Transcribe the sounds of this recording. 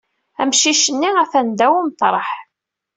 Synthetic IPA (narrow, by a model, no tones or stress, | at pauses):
æmʃiʃənːiæθænd̪æwimt̪ˤɾˤəħ